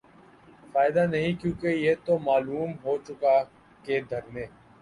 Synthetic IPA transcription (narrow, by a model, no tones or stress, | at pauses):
faːɪd̪anɐɦĩkjũːkejeːt̪omaːluːmɦoːt͡ʃʊka | ked̪ʱɐɾmẽː